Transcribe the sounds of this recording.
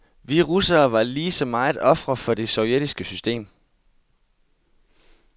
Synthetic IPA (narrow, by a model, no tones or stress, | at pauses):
ʋiʁusɐːʋɑ̈liːsɒ̽mɑ̈ɪð̩ˠɒ̽fʁɐfɒ̽d̥e̝sɒʊjed̥isɡ̥əsysd̥e̝̰ːm